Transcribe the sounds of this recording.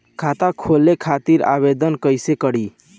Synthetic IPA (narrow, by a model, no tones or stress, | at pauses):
kʰat̪akʰolːekʰat̪iɾa̰βed̪ənkəjsekəɽi